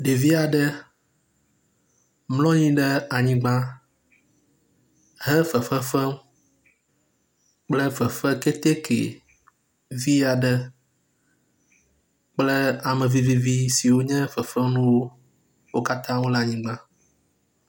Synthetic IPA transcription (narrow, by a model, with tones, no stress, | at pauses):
ɖe˨vi˦a˨ɖə˦ | mlɔ̃˦ɲĩ˦ɖɛ˦a˨ɲĩ˦ɡ͡bã˦ | ɦɛ̃˦fɛ˨fɛ˦fɛ˦m | k͡plə˦fɛ˨fɛ˦ke˦t̪e˦kʰḛ˨ | vi˦a˨ɖə˦ | k͡plə˦a˨mɛ̃˨vi˦vi˦vi˦si˨wo˦ɲɛ̃˦fɛ˨fɛ˦mnũ˦wo˦ | wo˦ka˦t̪ã˦wo˦la˨ɲĩ˦ɡ͡bã˦